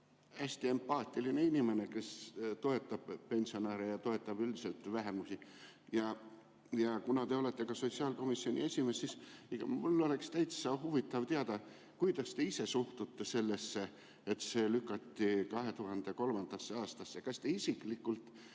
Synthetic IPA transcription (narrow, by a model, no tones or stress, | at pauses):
æsʲt̪ie̞mpɑːt̪ʲːˑiline̞inʲime̞ne̞ke̞st̪o̞e̞t̪ːˑɑb̥pe̞nʲsio̞næːɾejɑt̪o̞e̞t̪ːˑɑb̥yld̪i̥se̞lt̪væɦe̞musi | jɑ | jɑkunɑt̪e̞o̞le̞t̪ːe̞kɑso̞t̪siɑːlko̞misio̞nʲʔḭe̞sʲime̞sːisekɑ̰mulːo̞le̞kst̪æjt̪ssɑɦuvit̪ːˑɑvt̪eɑd̪̥ɑ | kujd̪̥ɑst̪e̞ise̞suht̪ut̪ːese̞lːe̞sːe̞ | et̪se̞ːlykːˑɑt̪ːikɑɦe̞t̪uɦɑnd̪̥e̞ko̞lmɑnd̪̥ɑsːeɑːst̪ɑsːekɑst̪e̞isiklikːˑult̪